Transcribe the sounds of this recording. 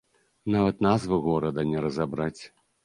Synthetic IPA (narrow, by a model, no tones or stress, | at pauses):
navɐt̪nazvɨɣɔɾɐd̪ɐnʲɛɾɐzabɾat͡sʲ